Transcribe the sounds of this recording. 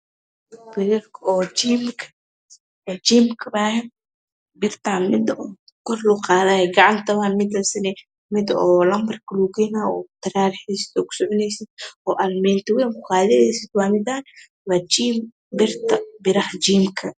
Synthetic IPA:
bɪɾɐrkʰɔːt͡ʃimkʰɐ̥ | ɛd͡ʒiːmkʰɐbaːhɛn | bɪrt̪ʰanmɪd̪ɔ | kʰɔrlʊqɑːðaːjɛɡɑʕɑnt̪ʰɐβaːnmɪd̪ɐsɐnɛ | mɪd̪ɔːlɐmbɐrkʰɐlukɛjnaːɔːt̪ɐɾaːɾħɛsɪ̥t̪ɔːkʰʊ̥sɔʕʊnɛjsɪd̪̥̚ɔːʔɐlmɛːnt̪ɐwɛjŋkʊqɑːðɛðɛjsɪd̪waːmɪd̪aːn | waːd͡ʒiːm | bɪrt̪ʰɐbɪɾɐħd͡ʒiːmkʰɐ

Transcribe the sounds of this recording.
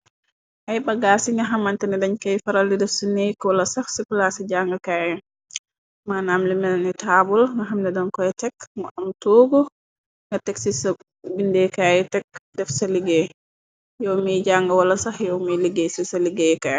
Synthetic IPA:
ʔajbaɡasiŋɡaɦamantɛnɛdaɲkajfaɾaldɛdɛfsinejkɔlasaxsikulasɛd͡ʒaŋɡakajɛ | manamlimɛnnitabɔlŋɡaɦamdɛdɔnkɔjɛtɛkmɔʔamtoːɡɔ | ŋɡatɛksis | bindɛkajɛtɛk̚dɛfsaliɡɛ | jɔwmid͡ʒaŋɡawalasaxjɔwmiliɡɛsisaliɡɛka

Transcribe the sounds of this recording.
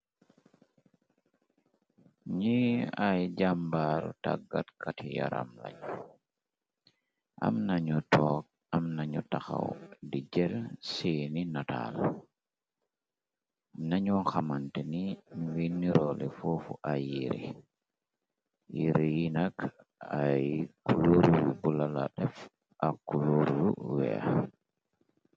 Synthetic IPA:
ɲiajɟambaɾutaɡatkatija̰ɾa̰mla̰ɲu | ʔa̰mnaɲutɔːk̚ | amnaɲutaxa̰wdid͡ʒɛlsininata̰l | naɲɔnxamantɛnimiwinːiɾɔlɛ̰fofuʔajiɾḭ | jiɾijinak | ajkuloɾuwibulala̰ɗɛf | ʔakuloɾulṵwɛ̰a̰

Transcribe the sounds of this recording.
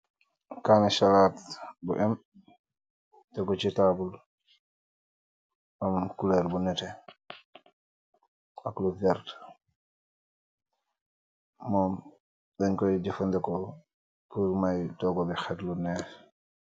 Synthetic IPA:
kaːnɛʃalaːtbṵʔɛm | tɛkɔt͡ʃitabul | ʔɔmkulɛɾbunɛtɛ | ʔakluvɛɾt | mɔːm | ɗɛɲkɔjdifɔndɛkɔ | puɾmajdɔɡɔbɛxɛtlunɛf

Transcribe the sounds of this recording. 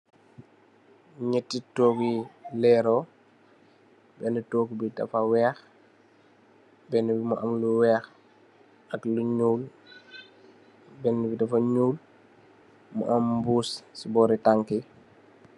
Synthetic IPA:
ɲɛtːitoːɡilɛːɾɔ | bɛnutoːɡbidɐ̰fawɛːx | bɛnubimuʔamluwɛːx | ɐkluɲuːl | bɛnːubidɐfɐɲuːl | mṵʔɐmbuːssibɔɾitaŋki

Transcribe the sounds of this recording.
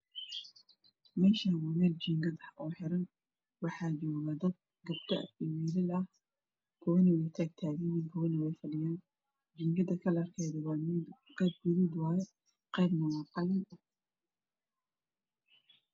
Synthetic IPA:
mɛːʃawʊmɛdd͡ʒiŋɡɐd̪ħʔɔːħɛɾɐn | wɑħɑːd͡ʒɔːɣɐd̪ɐd̪̚ | ɡɐbt̪ʰɐ̰ɪwiːlɪlɐh | kʰɔwɐnɐwɛjt̪ʰaːɡ̚t̪ʰaːɣɛnɪŋkʰɔwɐnɐwɛjfɐɖɪjaːn | d͡ʒiŋɡɐd̪ɐkʰɐlɐɐrkʰɛjðɐwɑːmɪdqɛjb̚ɡʊɾuːd̪wɑːjɛ | qɛjbnɐwɑːqɑlɐn

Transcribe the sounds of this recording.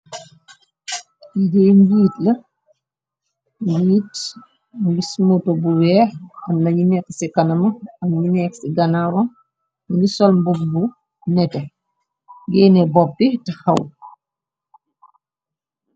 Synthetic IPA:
ideɲɡiːtlɐ | ɡiːt | ɡismotobuwɛːɐmnɐɲinɛkːsikɐnɐmɐɐmɲinɛksiɡɐnaɾɔn | disɔlmbumbu | nɛtɛ | ɡɛːnɛbɔpːitɐxɐw

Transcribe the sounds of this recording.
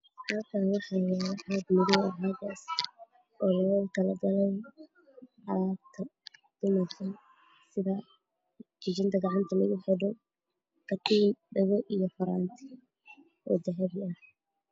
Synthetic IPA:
hɐlkʰaːnwɑħɑːjaːɾɐħaːd̪mʊðʊɐɦaːɡaːs | ɔːlɔːk̪ʰɐlɐɡɐlɛj | ʕɑɾaːt̪ʰɐd̪̥ʊmɐrkʰɐ | sɪðɐ | t͡ʃɪt͡ʃɪnt̪ʰɐɡɑʕɑnt̪ʰɐlɐɣʊħɛɖɔ | kʰɐt̪ʰiːnɖɐɣɔʔijɔħɔɾa̰ːnt̪ʰi̥ | ʔɔ̰ːd̪ɐɦɛβɪɐh

